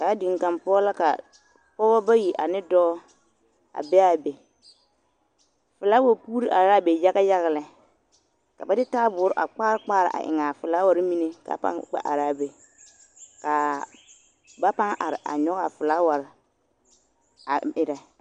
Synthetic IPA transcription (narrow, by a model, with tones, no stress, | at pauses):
ka˨a˦dɪ˨ŋ˨ka˨mpɔ˦la˦ka̰˨ | pɔː˦bɔ˦ba˦ji˨ʔa˨nɪ˦dɔː˦ | a̰˨bɛ˦a˦˨be˨ | fɪ˨laː˦wa˨puː˦ɾi˦ʔa˨ɾa˦be˨ja˦ɣa˦ja˦ɣa˨lɛ˨ | ka˨ba˨˦dɪ˦taː˦bʊ˨˦ɾʔa̰˨k͡paː˦ɾɪ˦k͡paː˦ɾɪ̰˨ʔa̰˨ʔɪ̰˨ŋa˨fɪ˨la˦wa˨˦ɾɪ˦mi˦ne˦ka̰˨pa̰˦ŋk͡pa̰˦ʔa̰˨ɾa˦be˨ | ka˨ | ba˦pa˦ŋʔa̰˨ɾɪ˨ʔa̰˨ɲɔ˦ɣa˨fɪ˨laː˦wa˨ɾɪ˨ | a˨ɪ˨ɾɛ˨